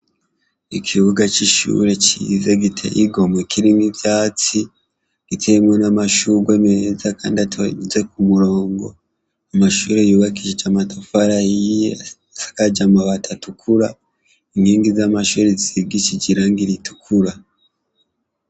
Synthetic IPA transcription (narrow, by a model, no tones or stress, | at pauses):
ikʰiβuɡat͡ʃiʃṵɾe̞cḭzeɡitʰḛʔiɡo̞mwekʰiɾimibjaːt͡si | ɡ̥itʰemŋonamaʃuɡwemeezakaːndiatze̞kumuɾo̞ːŋɡo̞̰ | amaʃuːɾe̞juːβakiʒet͡ʃamatufaɾahije | sḁkad͡ʒamaβatʰatukʰuɾa | iŋɡiːŋɡizamaʃuːɾeziɡit͡ʃiɟiɾaŋɡiɾitu̥kʰuɾa